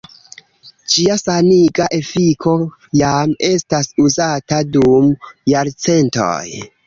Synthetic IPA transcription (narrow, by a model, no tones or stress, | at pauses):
d͡ʒiasaniɡaʔe̞fikʰo̞ | jame̞stasuzatadumjaɾt͡se̞nto̰j